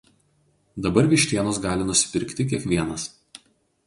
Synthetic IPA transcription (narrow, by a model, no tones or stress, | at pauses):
d̪ɐbɐɾʋʲɪʃʲt̪ʲiɛnoːsɡɑːlʲɪnʊsʲɪ̥pʲɪɾʲkt̪ʲɪkʲiɛkʋʲiɛnɐs